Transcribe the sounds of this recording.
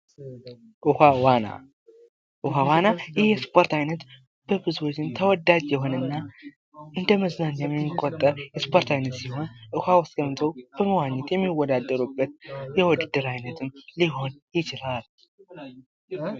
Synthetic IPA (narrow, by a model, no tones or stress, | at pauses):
ʔɨhawana̰ | ʔɨhawanajɪhjɛspʰo̞ɾt̪ajnət̪ | b̥əbɨzuwot͡ʃːɪnt̪ʰəwɔd̪ːad͡ʒjɛho̞nɨnːa | ʔɨnd̪əməznaɲjɛmːikʼot̪ʼːəɾjɛspʰo̞ɾt̪ʰajnət̪siho̞nʔɨhawɔsɡəmt̪ʰəwb̥əməwaɲːɛt̪jɛmːiwɔd̪ad̪ːəɾubːət̪̚jɛwɔd̪ɨd̪ɨɾajnət̪ʰɨmliɦo̞njɪt͡ʃɪlal